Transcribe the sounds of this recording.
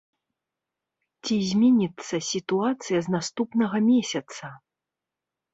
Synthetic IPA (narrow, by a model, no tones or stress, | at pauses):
t͡sʲizʲmʲɛnʲit̪sːɐsʲit̪uat̪sɨjɐznast̪upnɐɣɐmʲesʲɐt̪sɐ